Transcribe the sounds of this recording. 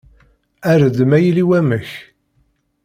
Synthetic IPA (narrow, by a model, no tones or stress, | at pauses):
æɾəd̪mæjiliwæməç